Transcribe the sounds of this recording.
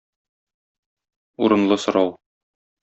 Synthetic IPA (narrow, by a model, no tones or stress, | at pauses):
uɾɤ̆nlˠɤsŏɾɑw